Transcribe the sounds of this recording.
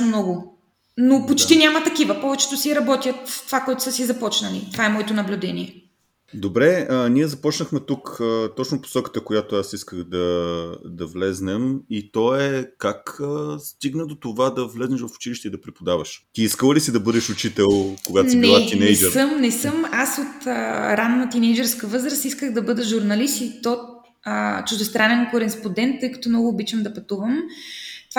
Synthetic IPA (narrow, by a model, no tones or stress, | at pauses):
mnɔɡʊ | nopot͡ʃt̪inʲamɐt̪ɐkivɐpɔvɛt͡ʃɛ̥t̪ʊsiɾɐbɔt̪iəft̪ovakɔɛt̪ʊ̥səsizɐpɔt͡ʃnɐlḭt̪vaɛmɔɛt̪onɐblʲud̪ɛniɛ | d̪obɾɛəniɛzɐpɔt͡ʃnəxmɛt̪ukət̪ɔt͡ʃnopo̥sɔkə̥t̪əkojat̪oasiskəɣd̪ɐd̪ɐvlɛznɛmit̪ɔɛkakəst̪iɡnəd̪ot̪ovad̪ɐvlɛznɛʃvɐfʊ̥t͡ʃiliʃt̪ɛid̪ɐpɾɛpod̪avɐʃt̪iiskəlˠəlisid̪ɐbɤd̪ɛʃʊt͡ʃit̪ɛlˠkoɡat̪siniɛlˠat̪inɛjd͡ʒɛɾəmnɛsɤmasot̪əɾanːət̪inɛjd͡ʒɛɾskəvɤzɾəst̪iskəxd̪ɐbɤd̪əʒuɾnɐlist̪it̪ɔ | ət͡ʃʊʒd̪ɛst̪ɾanɛnkoɾɛspond̪ɛnt̪ːɤjkɐ̥t̪ɔmnɔɡʊːbit͡ʃəmd̪ɐpɐt̪uvəmt̪